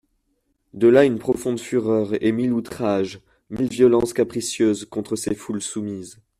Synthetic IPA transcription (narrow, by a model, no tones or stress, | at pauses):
d̪əlaynpχɔfɔ̃d̪fyʁœʁemilut̪χaʒ | milvjɔlɑ̃skʲapχisjøzkɔ̃t̪χəsefulsumiz